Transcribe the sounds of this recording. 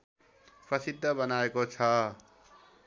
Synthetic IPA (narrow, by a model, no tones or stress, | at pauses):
prʌsid̪ʱːʌbʌnaekot͡sʰʌ